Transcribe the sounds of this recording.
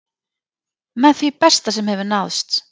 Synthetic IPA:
mɛnθvipɛst̪as̬ɛmhɛvʏɾnawðst̪

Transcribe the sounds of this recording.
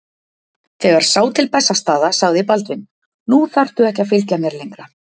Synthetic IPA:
θɛɣaɾ̥saːwt̪ʰɪlpɛsːast̪aːðasaɣðɪpalt̪vɪn | nuθar̥t̪ʏɛhcːafɪlcamjɛɾlejŋkɾa

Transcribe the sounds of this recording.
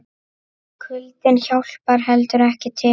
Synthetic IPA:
kʰʏlt̪ɪnçawl̥paɾ̥ɦɛlt̪ʏɾɛhcɪt̪ʰɪ

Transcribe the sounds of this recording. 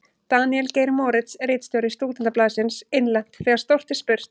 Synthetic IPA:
t̪aːniɛlceːjɾmɔːɾɪt̪sreːt̪st̪jɔwɾɪst̪uːt̪ɪnt̪aplaːðsɪnseɪnlɛn̥t̪θɛːɣaɾ̥st̪owr̥t̪ɪspʏr̥t̪

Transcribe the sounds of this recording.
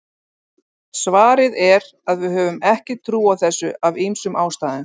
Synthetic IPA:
svaːɾɪðɛɾ | aðvɪðɦœːvʏmɛhcɪt̪ʰɾuːawθɛsːʏavijmsʏmʔaːwst̪aːðʏm

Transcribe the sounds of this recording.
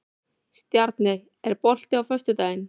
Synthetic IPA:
st̪jaɾt̪nɪɣ | ɛɾpɔl̥t̪ɪawfœst̪ʏt̪aːjɪn

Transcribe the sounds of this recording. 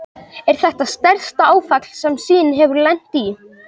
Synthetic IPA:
ɛɾ̥θɛht̪ast̪ɛɾst̪aaːwfak̪l̥sɛmsiːnɦɛvʏɾlɛn̥t̪i

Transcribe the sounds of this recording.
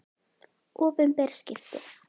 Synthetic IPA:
ɔːpɪnpɛɾ̥scɪft̪ɪ

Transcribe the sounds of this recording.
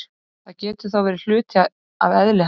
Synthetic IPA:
θaðcɛːt̪ʏ̥θawvɛɾɪl̥ʏːt̪ʰɪ | aðɛðlɪ

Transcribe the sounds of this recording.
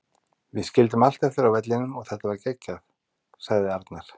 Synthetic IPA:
vɪscɪlt̪ʏmal̥t̪ɛft̪ɪɾawvɛt̪̬lɪnʏmɔɣθɛht̪avaɾcɛcːaθ | saɣðɪaɾt̪naɾ̥

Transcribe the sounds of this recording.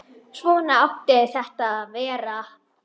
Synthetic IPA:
svɔːnaawht̪ɪθɛht̪aðvɛːɾa

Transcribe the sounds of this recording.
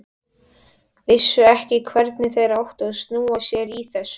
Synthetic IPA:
vɪsːʏɛhcɪkʰvɛɾt̪nɪθejɾawht̪aðsnuːasjɛɾiθɛsːʏ

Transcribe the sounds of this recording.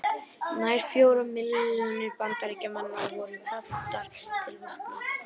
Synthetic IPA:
naːjɾ̥fjoːwɾʏmːɪlnʏɾpankaɾicamanːavɔːɾʏat̪ːaɾ̥ | t̪ʰɪlmahtna

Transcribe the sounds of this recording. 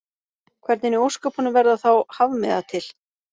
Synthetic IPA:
kʰvɛɾt̪nɪnɪowskœpʰanʏvɛɾðaθawhavmɛðat̪ʰɪl̥

